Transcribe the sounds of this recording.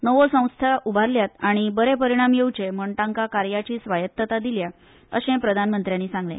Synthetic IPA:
nəʋosə̃w̃st̪ʰjaʔubʱaɾljat̪aɽ̃ibəɾepəɾiɽ̃amjewt͡ɕeməɳʈaŋkakaɾjat͡ɕiːsʋajət̪ːət̪ad̪ilja | ə̰ɕẽpɾəd̪ʱanmənt̪ɾjanːiːsãŋɡlḛ

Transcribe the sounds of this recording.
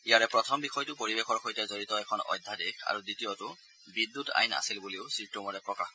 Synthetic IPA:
ijaɹɛpɹɔtʰɔmbixɔjtʊpoɹibexɔɹxojtɛzoɹitɔɛkʰɔnɔ̰jdʱadika̰ɹuditijɔtʊ | bidːuta̰jna̰silbuliʊsiɹtːumɔɹɛpɹɔka̰x

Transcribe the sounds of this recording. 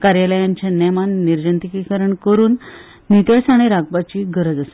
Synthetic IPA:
kaɾjaləjãɲt͡ɕjanɛmanːiɾd͡ʑənt̪ikikəɾəɳkəɾuːnː | it̪əsaɽ̃iɾaɡ̚bat͡ɕiːɡʱəɾəd͡zase̥

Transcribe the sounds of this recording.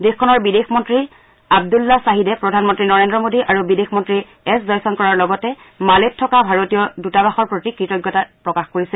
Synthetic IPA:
dexkʰːɔnɔɹbidexmɔntɹi | ab̚dulːasaɦidɛpɹɔdʱanmɔntɹinɔɹendɹɔmodiʔaɹubidexmɔntɹi | ɛszɔjsɔnkɔɹaɹlɔɡɔtɛ | maletʰːɔkabʱaɹotijɔdutabaxɔɹpɹotikɹitɔjɡːɔtapɹɔkaxkoɹisɛ

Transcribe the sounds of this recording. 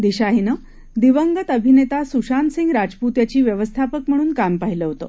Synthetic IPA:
d̪iɕaɦinə | d̪iʋəŋɡət̪əbʱinet̪asuɕansĩŋɡɾad͡zput̪jat͡ɕiːʋjəʋəst̪ʰapək̚m̤əɽ̃uːnkampaɦiləɦot̪o̰

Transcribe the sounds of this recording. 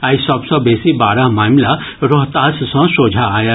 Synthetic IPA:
aːisɔbsɔbeːsibaːɾamaːmla | ɾoɦt̪aːssɔ̃soːd͡ʒʱaːja

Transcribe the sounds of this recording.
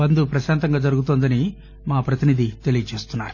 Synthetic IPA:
ɐnd̪upɾɐʃaːnt̪ɐŋɡaːd͡ʒɐɾuɡut̪oːnd̪ɐni | maːpɾɐt̪inid̪it̪e̞lijɐt͡ʃe̞ːst̪unːa̰ːɾu̥

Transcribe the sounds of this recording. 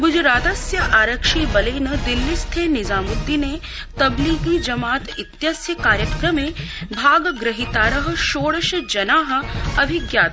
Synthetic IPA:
ɡud͡ʒɾaːt̪ɐsjɐʔaːɾɐkʂiːbɐleːnɐd̪ilːist̪ʰeːnizaːmud̪ːineː | t̪ɐbliːɡiːd͡ʒɐmaːt̪it̪jɐsjɐkaːɾjɐkɾɐmeːbʱaːɡɐɡɾɐɦit̪aːɾɐɦɐ̆ʃoːɽɐʃɐd͡ʒɐnaːɦɐ̆ɐbʱiɡjaːt̪

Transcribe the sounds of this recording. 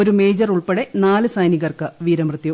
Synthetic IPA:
oɾumeːd͡ʑɐruɭpeɽe̞naːlɨsɐjniɣɐrkɨʋiːɾɐmrɨt̪jɐ

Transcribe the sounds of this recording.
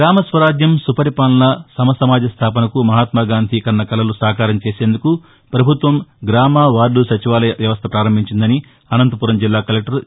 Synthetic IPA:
ɡɾaːmɐsʋɐɾaːd͡ʒjɐmsupɐɾipaːnlɐsɐmɐsɐmaːd͡ʒɐst̪ʰaːp̬ɐnɐkumɐɦaːt̪maːɡaːnd̪ʱikɐnːɐkɐlɐlusaːkaːɾɐmt͡ʃe̞ːse̞ːnd̪uku | pɾɐbʱut̪ʋɐmɡɾaːmaːʋaːɾɖusɐt͡ʃiʋaːlɐʋjɐʋɐst̪ʰɐpɾaːɾɐmbʱiɲt͡ʃind̪ɐni | ɐnɐnt̪ɐpuɾɐmd͡ʒilːaːkɐlek̚ʈɐɾ

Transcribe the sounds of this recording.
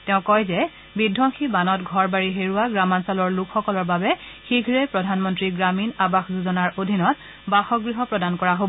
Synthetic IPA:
tɛʊ̃kɔjzɛ | bidʱːɔŋxʰibanɔtɡʱɔɹbaɹiɦeɹuaɡɹamansalɔɹlukʰxɔkɔlɔɹbabɛxiɡʱɹɛpɹɔdʱanmɔntɹiɡɹaminabaxzuzɔnaɹodʱinɔt̚ | baxɔɡɹiɦɔpɹɔdankɔɹaɦob

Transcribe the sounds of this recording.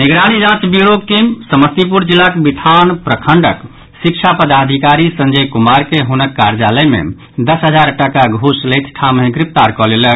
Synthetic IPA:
niɡɾañid͡ʒãt͡ʃbiɾoɡʈimsəməst̪ipuɾd͡ʒilːakebiʈʰanpɾəkʰəɳɖə̰k | sik̚t͡ʃʰapəd̪ad̪ʱikaɾisənd͡ʒəjkumaɾkeɦunəkːaɾd͡ʒaləjmḛ | d̪əsɦəd͡ʒaɾʈəkaɡʱuslejt̪ʰʈʰamẽɡɾip̚t̪aɾkɔlelək

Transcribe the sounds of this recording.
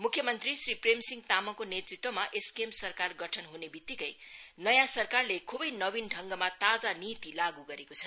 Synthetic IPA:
mukʰjʌmʌnt̪risripremsiŋɡt̪amʌkonet̪rit̪womaʔeskemsʌrkarɡʌʈʰʌnɦunebit̪ːikʌjnʌjãsʌrkarlekʰubʌjnʌbinɖʱʌŋɡʌmat̪ad͡zanit̪ilaɡuɡʌɾekot͡sʰʌ

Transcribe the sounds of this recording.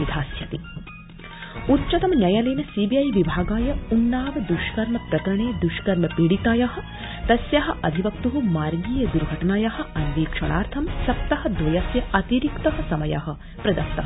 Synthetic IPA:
id̪ʱaːsjɐt̪i | utːt͡ʃɐt̪ɐmnʲɐjaːleːnɐsiːbiɐjʋibʱaːɡaːjɐunːaːʋɐd̪uʃkɐɾɳɐpɾɐkɐɾɐɳeːd̪uʃkɐɾmɐpiːɽit̪aːjaɦɐ̆ | t̪ɐsjaɦɐ̆ʔɐd̪ʱiʋɐkt̪uɦumaːɾɡiːjɐd̪uɾɡʱɐʈɐnaːjaɦɐ̆ɐnʋiːkʂɐɽaːɾt̪ʰɐmsɐp̚t̪ɐɦɐ̆d̪ʱʋɐjaːsjɐɐt̪iɾikt̪ɐɦɐ̆sɐmɐja̰ːɦɐ̆ | pɾɐd̪ɐst̪ɐɐ

